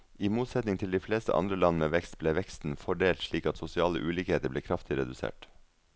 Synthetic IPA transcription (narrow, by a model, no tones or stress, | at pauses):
iːmuːt̪sɛt̪nɪŋt̪ʰɪld̪iːfleːst̪ə̰ʔɑ̰nd̪ɾəlɑnəmeːʋɛkst̪̚bleːʋɛkst̪n̩fɔɖeːlt̪ʂɭiːkɑt̪sʊsɪɑːlə̰ʔʉːliːkeːt̪əbleːkʰɾɑft̪ɪɾɛd̪ʉsḛːʈ